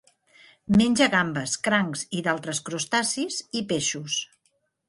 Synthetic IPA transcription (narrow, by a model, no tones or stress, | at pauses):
menʲd͡ʒəɣambəskɾaŋziðalˠt̪ɾəskɾust̪asizipeʃus